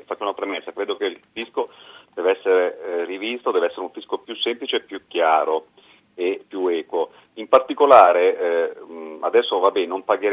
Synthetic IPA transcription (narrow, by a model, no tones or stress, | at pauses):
fat͡ʃːounapɾemesːakɾeːd̪okeillfiskod̪̥ɛːveɛsːeɾerivist̪od̪ɛːveɛsːeɾeuɱfiskopjusːemplit͡ʃepːjukːjaːɾo | epːjuɛːkwo | impart̪ikolaːɾe | a̰d̪ɛsːovabːɛnompaɡeɾ